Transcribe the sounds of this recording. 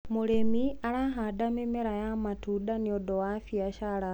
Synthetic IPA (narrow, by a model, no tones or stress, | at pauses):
muɾemialaɦadamemeɾajamatudaniodowafjaʃala